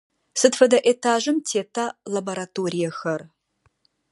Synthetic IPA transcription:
sɨdfɐdɐʔetʰaːʒɨmtʰeːtʰalɐbɐɾatʰoːrijɐxɐr

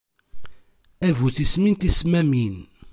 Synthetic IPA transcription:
ævuθismint̪ismæmin

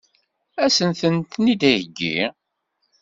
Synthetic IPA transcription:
æsənθənt̪nid̪æjəɡːḭ

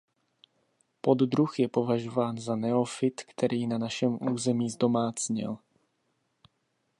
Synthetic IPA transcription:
po̞d̪d̪ɾuxjɛpo̞vaʒo̞vaːnzanɛofɪt̪kt̪ʰɛɾʔiːnanaʃɛmʔuːzɛmiːzdo̞maːt͡sɲɪ̰l

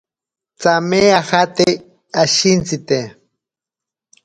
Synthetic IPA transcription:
t͡sameaxat̪e | aʃint͡sit̪e

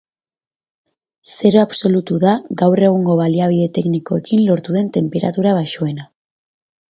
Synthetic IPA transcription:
se̞ɾo̞aβso̞lut̪uðaɡawre̞ɣ̞uŋɡo̞βaliaβ̞iðe̞t̪e̞kniko̞e̞kinlo̞ɾt̪uðe̞nt̪e̞mpe̞ɾa̰t̪uɾaβaʃoe̞na

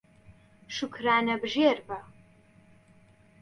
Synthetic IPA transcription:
ʂɨkʰraːnɐbʒeːrbɐ

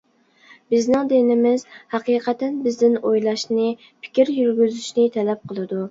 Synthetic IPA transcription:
b̥ɪznɪŋd̪enɪmɪzhæqiːqʰæt̪ɛnbɪzd̪ɪnojlˠɑʃnɪ | pʰɪ̥kʲiɾjyɾɡʲyzyʃnɪt̪ʰɛlɛp̚qʰəlˠɨd̪u

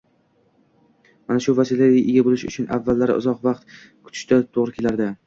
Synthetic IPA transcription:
manaʃʊvasilaaʔɪɡʲabolɪʃʊ̰t͡ʃʰʊnʔavːalːaɾɪ̰ʔʊ̰zɒqvɑqt̪ | kʰʊ̥t̪ʰɪ̥ʃt̪at̪ʰoʁɾɪkʲʰe̞laɾd̪ɪ

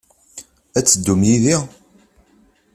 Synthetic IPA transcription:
æt͡sːəd̪ːumjiði

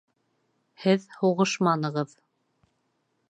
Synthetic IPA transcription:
hɘðhuʁɤʃmɑnɤ̆ʁɤð

